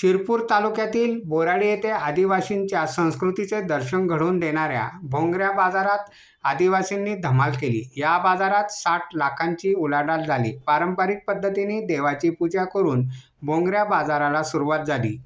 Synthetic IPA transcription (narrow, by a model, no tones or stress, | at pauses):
ɕiɾpuːɾt̪alukjat̪iːlboɾaɽijet̪ead̪iʋaɕint͡ɕjasə̃w̃skɾut̪it͡sed̪əɾɕənɡʱəɽuːnd̪eɽ̃aɾja̰bʱõŋɡɾjabad͡zaɾat̪ | ad̪iʋasinːiːd̪ʱəmalkelḭːjabad͡zaɾat̪saʈʰlakʰãɲt͡ɕiːulaɽald͡zʱalḭːpaɾəmpəɾik̚pəd̪ʱːət̪iniːd̪eʋat͡ɕipud͡ʑakəɾuːn | bʱõŋɡɾjabad͡zaɾalasuɾuʋat̪̚d͡zʱalḭː